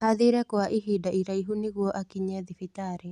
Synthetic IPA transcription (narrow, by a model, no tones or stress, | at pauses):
haðiɾɛkwaʔiɦidaiɾaiɦuniɣwɔʔakiɲɛðifitaɾɛ